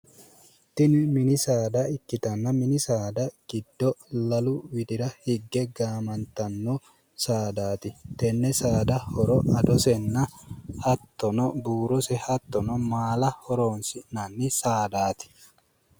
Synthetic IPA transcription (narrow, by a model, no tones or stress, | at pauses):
t̪ɪnmɪnɪsaːd̪ɐɪkːɪt̪ɐnːɐmɪnɪsaːd̪ɐɡ̥ɪd̪ːɔlɐlʊwɪd̪ɪɾɐhɪɡːɛɡaːmɐnt̪ɐnːo | saːd̪aːt̪ɪt̪ɛnːɛsaːd̪ɐhɔɾɔʔɐd̪ɔsɛnːɐhɐt̪ːɔnɔbuːɾɔsɛhɐt̪ːɔnɔmaːlɐhɔɾoːnsɪnɐnːɪsaːd̪aːt̪ɪ̥